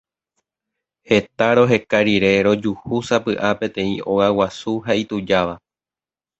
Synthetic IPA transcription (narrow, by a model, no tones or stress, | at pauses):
he̞t̪aɾo̞ɦe̞kaɾiɾe̞ɾo̞d͡ʒuhusapɨʔapẽ̞t̪ẽ̞ĩo̞ɣawasuɦait̪ud͡ʒaʋa